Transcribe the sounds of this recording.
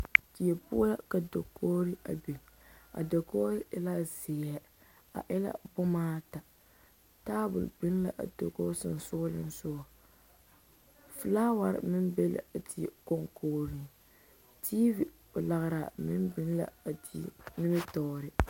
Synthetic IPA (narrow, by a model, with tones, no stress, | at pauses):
ti˨e˨pu˦la˦ka˨do˨kʰo˦ɾɨ˦ʔa̰˨bi˨ŋa̰˨do˨koː˦ɾɛ˦la˦ze˨ja˦ | a̰˨ʔɛ˦la̰˦bʊ˦maː˦ta˨ | taː˦bʊ̰˨lbɪ˦n˦la̰˨ʔa̰˨do̰˨ko˦sɨ˨n˨sʊ˦lɨ̰˦n˦sʊ˦ɔ˨ | fɨ˨laː˦wa˨ɾ̰mɪ˦nbe˦la̰˨a˨ti˦˨ko˦ŋkʰoː˦ɾi˦ŋ | tʰi˦vi˨ | o˨la˨ɣɾa˨mɪ˦mbɪ˦nla̰˨a˨ti˦nɪ˦mɨ˦tɔ˨ɾɨ˨